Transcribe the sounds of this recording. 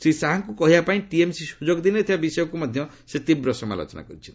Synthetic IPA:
sɾisaɦaŋkukɔɦibapaĩʈiemsisud͡ʒoɡd̪inet̪ʰibabisɔjɔkumɔd̪ʱjɔ | set̪ibɾɔsɔma̰lo̰t͡ʃɔna̰kɔɾit͡ʃʰin

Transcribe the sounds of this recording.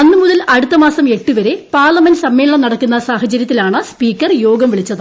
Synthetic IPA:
ɐnːɨmuðɐlɐɽut̪ːɐmaːsɐme̞ʈːuʋɐɾe̞paːrlɐmendsɐmːe̞ːɭɭɐmnɐɽɐkːunːɐsaːhɐt͡ɕɐɾjɐt̪ːilaːɳɨspiːkːɐrjo̞ːɡɐmʋiɭit͡ɕːɐðɨ

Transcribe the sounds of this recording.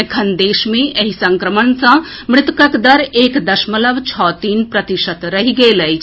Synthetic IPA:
kʰɐnd̪eːʃmẽɐɦisɐ̃ŋkɾəmənsɐ̃ | mɾɪt̪kəkd̪ɐɾeːkd̪ɐʃmələʋt͡ʃʰɔːt̪iːnpɾɐt̪iʃət̪ɾɐɦiɡeːləj

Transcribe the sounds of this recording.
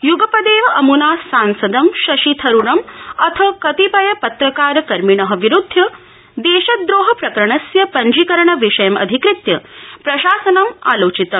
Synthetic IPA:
juɡɐpɐd̪eːʋɐʔɐmunaːsːaːnsɐd̪ɐmʃɐʃit̪ʰɐɾuɽɐmɐt̪ʰɐkɐt̪ipɐjɐpɐt̪ɾɐkaːɾɐkɐɾmiɳɐɦɐ̆ʋiɾud̪ʱːjɐ | d̪eːʃɐd̪ɾoːɦɐpɾɐkɐɾɐɳɐsjɐpɐɲd͡ʒikɐɾɐɳɐʋiʃɐjɐmɐ̰d̪ʱikɾɪt̪jɐpɾɐʃaːsɐnɐma̰ːloːt͡ʃit̪ɐ

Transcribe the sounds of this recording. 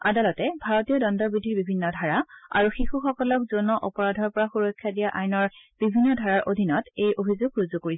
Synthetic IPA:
a̰dalɔtɛbʱaɹɔtijɔdɔndɔɹbidʱiɹbibʱinːɔdʱaɹaa̰ɹuxixuxɔkɔlɔkzonɔʔɔpɔɹadʱɔɹpɔɹaxuɹɔkʰːjadijaʔajnɔɹb̥ibʱinːɔdʱaɹaɹʔodʱinɔtejʔobʱizoɡɹuzukoɹisɛ

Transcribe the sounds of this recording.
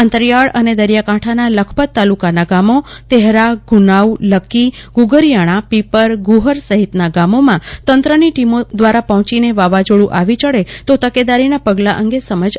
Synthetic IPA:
ə̃nt̪əɾjaɭəned̪əɾjakãʈʰanaləkʰpət̪ːalukanaɡamot̪ɛɦɾaɡʱunauləkːiɡuɡəɾjaɽ̃ãpipəɾɡuɦəɾsəɦit̪naɡamomãt̪ənt̪ɾəniʈimod̪ʋaɾapəɦt͡ʃineʋaʋad͡ʒoɽũʔaʋit͡ʃəɭet̪ot̪əked̪aɾinapəɡlaʔəŋɡesəməd͡ʒ

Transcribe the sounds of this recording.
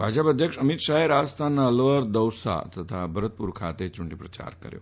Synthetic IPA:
bʱad͡ʑəpəd̪ʱjəkʂəmit̪ʂaɦeɾaəst̪ʰanːaəlʋəɾd̪əwsa̰t̪ət̪ʰabʱəɾət̪̚puɾkʰat̪et͡ɕuɳɖipɾət͡ɕa̰ɾkə̰ɾjo̰

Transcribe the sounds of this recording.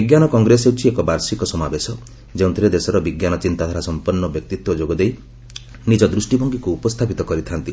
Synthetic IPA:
iɡjanɔkɔŋɡɾesewt͡ʃʰiekɔbaɾsikɔsɔmabesɔ | d͡ʒeũnt̪ʰiɾed̪esɔɾɔbiɡjanɔt͡ʃint̪ad̪ʱʰaɾasɔmpɔɾnːɔbjɔk̚t̪it̪wɔd͡ʒoɡɔd̪ej | nid͡ʒɔd̪ɾusʈibʱɔŋɡikuːpɔst̪ʰapit̪ɔkɔɾit̪ʰant̪i

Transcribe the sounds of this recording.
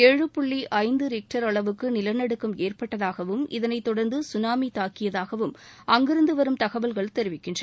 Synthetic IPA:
ɛɻɯpʊɭːiʔɐɪnd̪ɯɾɪk̚ʈɐɾɐɭɐʋɯkːɯnɪlɐɾnɐɽɯkːɯmeːrpɐʈːɐðaːɣɐʋɯmɪðɐnɐɪt̪ːɔɽɐɾnd̪ɯsʊnaːmit̪aːkɪjɐðaːɣɐʋɯmɐŋɡɪɾɯnd̪ɯʋɐɾɯmt̪ɐɣɐʋɐlɣɐɭt̪ɛɾɪʋɪkːɪndrɐ

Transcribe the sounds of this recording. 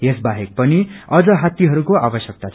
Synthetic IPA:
esbaɦek̚pʌniʌd͡zʌɦat̪ːiɦʌɾukoabʌsjʌk̚t̪at͡sʰ

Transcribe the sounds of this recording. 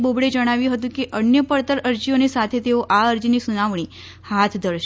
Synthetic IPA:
bobɽed͡ʒəɽ̃aʋjũɦət̪ũkeʔənjəpəɾt̪əɾəɾd͡ʒionisat̪ʰet̪eoʔaəɾd͡ʒinisunaʋɳ̃i | hat̪ʰd̪ʱəɾʃ

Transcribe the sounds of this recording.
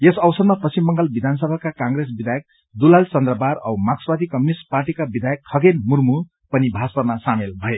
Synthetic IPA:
jesʌwsʌd̪mapʌsimːʌŋɡʌlbid̪ʱans̬ʌbʱakakãŋɡɾes̬bid̪ʱajʌk̚ | d̪ulalt͡sʌnd̪rʌbaɾʌwmakswad̪ʱikʌmjunisʈ̚parʈikabid̪ʱajʌkʰːʌɡenmurmu | pʌnibʱaspʌrmasamelbʱʌe

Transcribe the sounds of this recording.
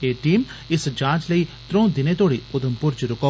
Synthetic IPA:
eːʈiːmɪsd͡ʒãːt͡ʃləit̪ɾõːd̪ɪnẽt̪oːɽiʊd̪ʱəmpʊɾd͡ʒɾʊkoː

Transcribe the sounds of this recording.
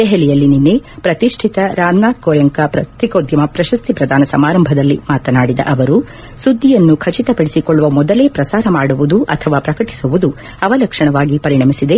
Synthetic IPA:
d̪̥ɛɦɛlijɐlːininːepɾɐt̪iʂʈʰit̪ɐɾaːmnaːd̪̚koːɾjɐŋkɐpɾɐt̪ɾikoːd̪ʱjɐmɐpɾɐʃɐst̪ʰipɾɐd̪ʱaːnɐsɐmaːɾɐmbʱɐd̪ɐlːimaːt̪ɐnaːɽid̪ɐ̰ʔɐʋɐɾu | sud̪ʱːijɐnːukʰɐt͡ʃit̪ɐpɐɽesikɔɭːuʋɐmɔd̪ɐle̞ːpɾɐsaːɾɐmaːɽuʋud̪uʔɐt̪ʰɐʋaːpɾɐkɐʈi̥suʋud̪u | ɐʋɐlɐkʂɐɳɐʋaːɡipɐɾiɳɐmisid̪e̞

